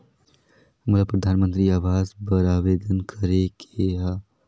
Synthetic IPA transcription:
mʊlapɾɐd̪ʱaːnmə̃nt̪ɾiaːʋaːzbɐɾaːʋeːd̪ənkʰɐɾekʰeɦaː

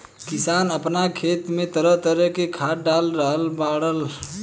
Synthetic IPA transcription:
kisanəpnakʰeːt̪mẽt̪əɾəɦt̪əɾəkekʰaɖalɾəɦəlbaɽəl

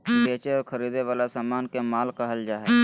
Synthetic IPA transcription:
beːt͡ʃeɔːɾxɐɾiːd̪eʋaːlasaːmaːnkemaːlkaɦɐld͡ʒaːɦɛː

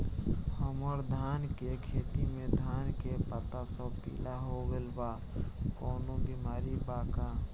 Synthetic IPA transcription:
həməɾd̪ʱaːnkekʰeːt̪imẽd̪ʱaːnkepət̪asəpḭːlaɦoɡelba | koːnobimaːɾibaːka

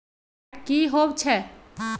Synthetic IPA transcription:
kiɦobt͡ʃʰɛ

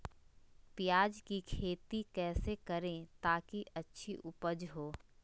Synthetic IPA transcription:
pɪjaːd͡ʒkikʰeːt̪ikɛːsekɐɾẽt̪aːkiʔɐtːʃʰiʔʊpəd͡ʒɦoː

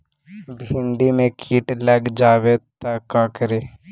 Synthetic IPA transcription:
bʱɪ̃nɖimẽkʰiːʈləɡd͡ʒaːwet̪əkakəɾeː

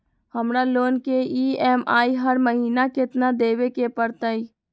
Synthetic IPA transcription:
həmɾaloːnkeiːɛːmaːiɦəɾməɦiːnakɪt̪nad̪eːwekepəɾt̪ai

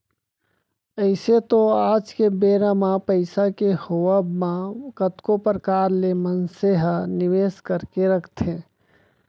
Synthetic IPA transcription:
əɪset̪oaːd͡ʒkebeːɾamãpəɪsakehoəbmãkət̪kopɾəkaːɾlemənseɦəniʋeːskəɾkeɾəkʰt̪ʰe

